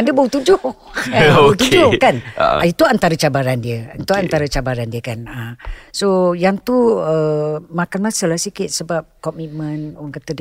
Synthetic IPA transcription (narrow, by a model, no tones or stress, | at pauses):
andəbaut̪ud͡ʒoh | abaut̪ud͡ʒʊhkan̰ait̪uant̪aɾət͡ʃabaɾandiəant̪uant̪aɾət͡ʃabaɾandiəkanəsojaŋt̪uəmakanmãsəlahsikɪt̪̚səbap̚kɔmit̪̚mənowaŋkət̪əd